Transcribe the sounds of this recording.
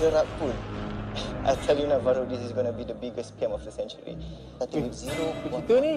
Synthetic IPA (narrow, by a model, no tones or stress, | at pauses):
dəɾapun | ʔa̰jtʰɛljunavaɾodisizɡonəbidəbiɡəspiɛ̃mɔfdəsɛ̃nt͡ʃəɹḭ | atɛwiziɾo